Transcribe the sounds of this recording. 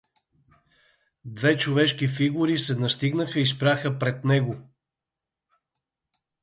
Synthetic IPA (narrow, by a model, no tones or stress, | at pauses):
d̪vɛt͡ʃovɛʃkifiɡʊɾisɛnɐst̪iɡnəxəis̬pɾʲaxəpɾɛt̪nɛɡo